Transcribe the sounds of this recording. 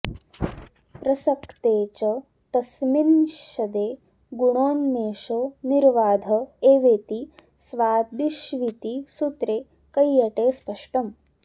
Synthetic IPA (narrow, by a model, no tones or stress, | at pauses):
pɾɐsɐkt̪eːt͡ʃɐ | t̪ɐsminʃɐd̪eː | ɡuɳoːnːeːʃoːniɾʋaːd̪ʱɐeːʋeːt̪i | sʋaːd̪iʃʋit̪isut̪ɾeː | kɐjːɐʈeːspɐʂʈɐm